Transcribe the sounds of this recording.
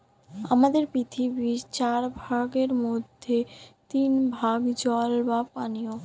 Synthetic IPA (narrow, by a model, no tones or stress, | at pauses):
a̰mad̪eɾpɾit̪ʰibit͡ɕaɾbʱaɡeɾmod̪ʱːet̪inbʱaɡd͡ʑɔlbapanio